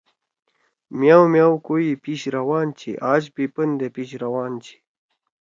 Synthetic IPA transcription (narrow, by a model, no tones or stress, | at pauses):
mjawmjawkoipiɕɾawaːnt͡ɕʰḭʔaːd͡ʑpipənd̪epiɕɾawaːnt͡ɕʰi̥